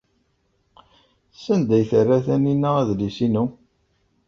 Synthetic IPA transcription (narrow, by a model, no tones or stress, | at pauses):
sːænd̪æjθərːæθæninːææðlisinu